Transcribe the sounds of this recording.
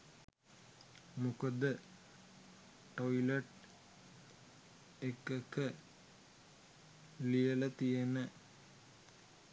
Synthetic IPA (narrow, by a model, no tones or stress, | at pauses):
mukəd̪ə | ʈːoileʈ | ekːekːə | lijelət̪ijenə